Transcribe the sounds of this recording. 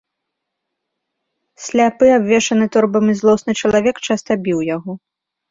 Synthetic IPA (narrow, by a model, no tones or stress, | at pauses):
sʲlʲapɨabvʲɛʂɐnɨt̪ɔrbɐmizlˠɔsnɨt͡ʂɐlˠavʲɛkt͡ʂast̪ɐbʲiwjaɣɔ